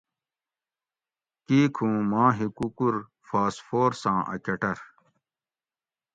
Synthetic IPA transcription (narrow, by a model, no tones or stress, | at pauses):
kiːkʰũːmãːɦikukuɾ | faːsfoːɾsãːʔɐ̰kɐʈɐɾ